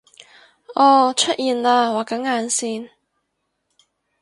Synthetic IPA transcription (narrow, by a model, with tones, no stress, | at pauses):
ʔɔː˧t͡ʃʰɵ˥t̚ʔjiː˨nlaː˧waː˨kɐ˨˥ŋːaː˨˧nsiː˧n